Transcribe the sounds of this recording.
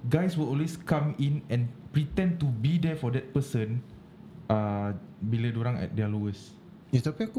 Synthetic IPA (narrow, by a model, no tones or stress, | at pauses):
ɡajswilɔlweskãmĩnɛ̃npɹit̪ɛ̃ntubidɛfɔdɛt̚pəsə̃n | ʔabiləduɾãŋɛ̰t̚dɛlowəs | it̪apiaku